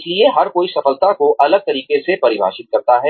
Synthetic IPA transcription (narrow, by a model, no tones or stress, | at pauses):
slieɦɐɾkoːisɐfəlt̪akoʔɐləɡ̚t̪ɐɾiːkesepɐɾɪbʱa̰ːʃɪt̪̚kɐɾt̪aɦɛː